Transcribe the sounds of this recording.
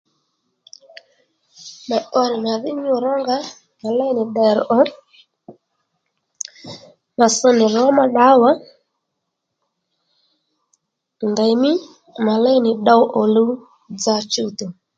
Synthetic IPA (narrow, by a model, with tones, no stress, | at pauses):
ma˨ʔɔ˦ɾɪ˨ma˨ðɪ˦ɲʊ˦˨ɾɔ˦ŋɡa˦ | ma˨lɛ˦jnɪ˨ɗɛ˨ɾʔɔ˦ | ma˨sɔ˦nɪ˨ɾɔ˨˦ma˨ɗa˨˦wa˦ | nda˨jmɪ˦ | ma˨lɛ˦nɪ˨ɗa˦wʔɔ˨lu˦ | d͡za˧t͡ʃu˦to˨